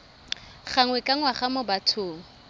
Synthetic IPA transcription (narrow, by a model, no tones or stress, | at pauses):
χaŋwɛkʼaŋwaχamʊbatʰʊːŋ̩